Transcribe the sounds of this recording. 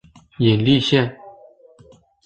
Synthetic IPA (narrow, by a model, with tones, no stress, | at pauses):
jɛ˨˩nli˥˨ɕɛ˥˩˨n